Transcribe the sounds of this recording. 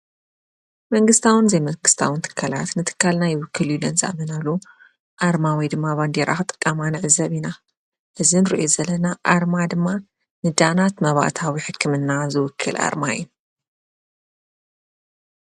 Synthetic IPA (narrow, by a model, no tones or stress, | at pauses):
mɐŋɡɨst̪ʰawɨnɨzɐjmɐŋɡɨst̪ʰawɨnt̪ʰɨ̥kʰːala̰t̪nɨt̪ʰɨ̥kʰːalnajɪwʊkʰːɨljulɐnza̰ʔmɐnalːu | ʔaɾmawijd̪ɨmːaβand̪eɾa̰xɨt̪ʼɨ̥kʼːamanɨʕɨzɐβina | ʔɨzinɨɾiʔjozɐlɐnaʔaɾmad̪ɨmːa | nɨd̪anat̪mɐβa̰t̪ʰawiħɨkːɨmɨnːazɨwʊkʰːɨlʔa̰ɾmaju